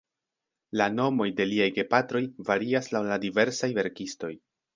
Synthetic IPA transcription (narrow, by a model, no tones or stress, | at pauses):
lano̞mo̞jde̞liajɡe̞patɾo̞jvaɾiaslawladive̞ɾsajve̞ɾkisto̞j